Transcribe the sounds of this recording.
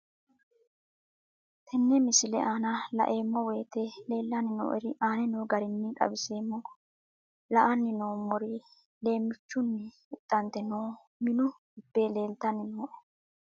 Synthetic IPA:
t̪ʰɛnːɛmɪsɪlɛaːnɐlɐ̰ʔe̞ːmːɔwe̞ːt̪ele̞ːlːɐnɪno̰ːʔɛɾɪʔaːnɛnoːɡɐɾɪnːɪᶑ̪ʼɐ̰bɪse̞ːmːɔ | lɐʔɐnːɪnoːmɔɾi | le̞ːmːɪt͡ʃːʊnːɪ | ʊt̪ʼːɐnt̪ɛnoː | mɪnʊ | ʊbːe̞ːle̞ːlt̪ɐnɪno

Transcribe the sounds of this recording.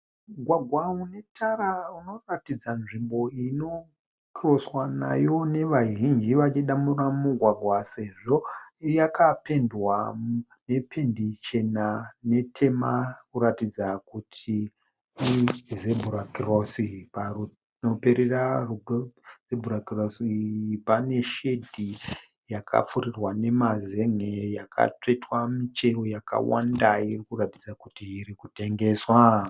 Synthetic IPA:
uɡʱwaɡʱwaune̞tʰaɾauno̞ratid͡zanʐimbo̞ino̞ | kiroswana̰jo̞ne̞ʋaʒind͡ʒiʋat͡ʃiɗamuramuɡʱwaɡʱwase̞ʐo̞jakape̞ndwa | ne̞pʰe̞ndit͡ʃe̞nane̞tʰe̞makuɾatid͡zakutʰi | izebʱuɾakirosiparu | nope̞ɾeraruɡzebʱuɾakirosipane̞ʃe̞dʱi | jakʰa̰p͡furirwane̞maze̞ŋejakʰa̰t͡ʂwetwamit͡ʃe̞rojaka̰wa̰ndairikuratid͡zakutiːɾikute̞ŋɡe̞ːswa

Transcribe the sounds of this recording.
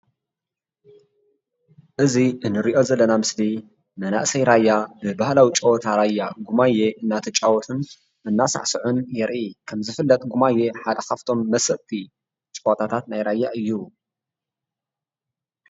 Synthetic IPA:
ʔɨziɨnːɨɾiʔo̞zɐlːɐnamɨsd̪i | mɐna̰ʔsɐjɾajːabɨbahlawit͡ʃʼɐwot̪ʰaɾajːaɡumajeʔɨnːat̪ʰit͡ʃʼawɔt̪ʰɨn | ɨnːasa̰ʕsɨʕunjɛɾʔikʰɐmzɨfɨlːɐt̪ʼɡumajːeħad̪ɐxaft̪ʰo̞mːɐsɐʔt̪ʰʼi | t͡ʃʼowot̪ʰat̪ʰat̪najɾajːaʔɨjːu

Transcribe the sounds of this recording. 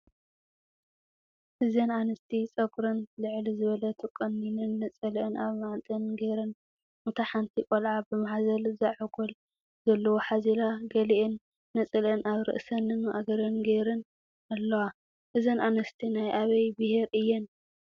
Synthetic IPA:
ʔɨzɐnanɨst̪ʰit͡sʼɐɡɾɐnlɨʕlizɨβɐlɐt̪ʰɨkʼːɐnːinɨnːɐt͡sʼɐlʔɨnaβmaʕt̪ʼɨnɡeɾɐn | mɨt̪ʰaħant̪ʰikʼolʕabɨmaħazɐlzaʕɨɡol | z̥ɐlːɐwoħazilaɡɐliʔɨnː | ɐt͡sʼɐlɨnʔaβɾɨ̰ʔsɐnɨnʔa̰ɡɐɾɐnɡeɾɨn | alːɐwa | ʔɨzɐnʔanɐst̪ʰinajʔaβɐjbɨheɾɨjːɛn

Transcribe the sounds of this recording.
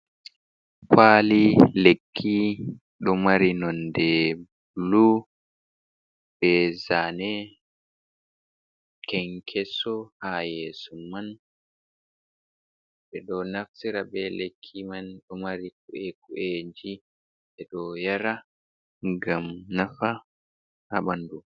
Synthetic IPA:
faːlilekʰːi | ɗɔmaɾinɔndɛb | lu | bɛzanɛ | kɛŋkʰɛsɔhajeːsuman | ɓɛɗɔnafsiɾabɛlekʰːimanɗɔmaɾik̚uʔekuʔeɲd͡ʒi | ɛɗɔjaɾa | ŋɡamnafa | ha̰ɓandu

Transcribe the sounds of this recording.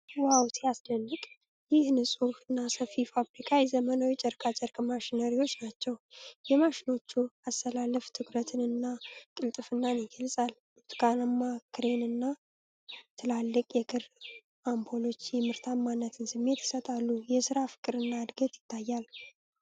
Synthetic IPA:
wawt̪ʰeasd̪ənːɨkʼ | jɪhnɨsʼufɨnːasəfifabɾikʰajzəmənawit͡ʃʼɛɾkʰʼat͡ʃʼɛɾkʼmaʃinəɾiwo̞t͡ʃːnat͡ʃːɛwjɛmaʃino̞t͡ʃːuast̪ʰəlalːəft̪ʰɨkɾət̪ʰɨnɨnːakʼɨlt̪ʼɨfɨnːaneɡəlsʼal | t̪kanamːakʰɨɾe̞nɨnːa | t̪ʰɨlalːɨkʼjɛkʰɨɾ | ʔambʰo̞lo̞t͡ʃːjɛmɨɾt̪ʰamːanːət̪ʰɨnsɨmːe̞t̪ɪ̥sət̪ʼalːujɛsɨɾafɨ̥kʼɨɾɨnːaɨd̪ɡət̪jɪt̪ʰːajːal

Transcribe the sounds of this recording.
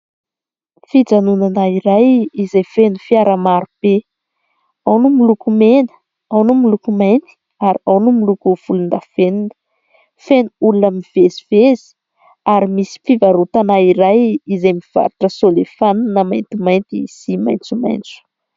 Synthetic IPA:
fid͡zanunanaiɾajizajfenufiaɾamaɾupe | awnumilukumenə̥ | awnumilukumajnt̪i̥ | aɾiawnumilukuv̥ulund̪afenunə | fenuulunamiv̥ezivezi̥ | aɾimisi̥fivaɾut̪anaiɾajizajmiv̥a̰ɾuʈ͡ʂəsolefannəmajnt̪imajnt̪isima̰jnt͡suma̰jnt͡su̥

